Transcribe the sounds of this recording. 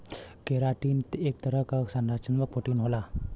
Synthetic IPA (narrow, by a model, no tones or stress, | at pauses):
keɾaʈint̪ek̚t̪əɾəkaksənɾat͡ʃənʋək̚pʰoʈinɦola